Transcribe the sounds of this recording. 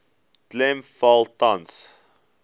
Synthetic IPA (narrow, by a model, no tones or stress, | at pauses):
tlɛmfalˠtãns